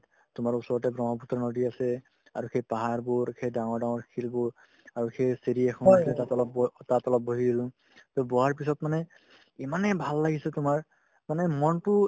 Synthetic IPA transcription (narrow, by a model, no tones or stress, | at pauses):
tʊmaɹusɔɹɔtɛbɹɔŋɔput̪ːɔnodiasɛ | aɹukʰejpaɦaɹbuɹkʰejdaŋɔɹdaŋɔɹkʰilbuɹ | aɹukʰejseɾiɛkʰɔnasɛtatɔlɔptatɔlɔp̚boɦidilʊ̃ | tɔbɔɦaɹpisɔtmanɛ | imanɛbʱalːaɡisɛtʊmaɹ | manɛmɔntʊ